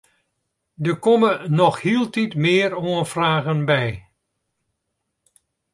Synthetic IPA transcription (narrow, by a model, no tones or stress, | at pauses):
dəkɔmənɔxhilˠtitmɪːəɾoənfraːɣənbɛj